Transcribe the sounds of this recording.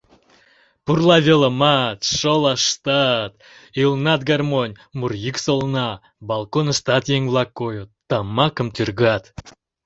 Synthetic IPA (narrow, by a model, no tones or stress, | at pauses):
purlˠɑvʲeləmɑt̪ʃolˠɑʃt̪ɑt̪ | ilnɑt̪̚ɡɑrmonʲ | murjyksolˠnɑ | bɑlˠkonəʃt̪ɑt̪jeŋvlˠɑkːojot̪ːɑmɑkəmt̪yrɣɑt̪